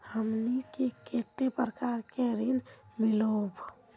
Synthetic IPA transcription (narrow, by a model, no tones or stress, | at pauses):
həmnikeket̪epɾəkaɾkeɾinmilob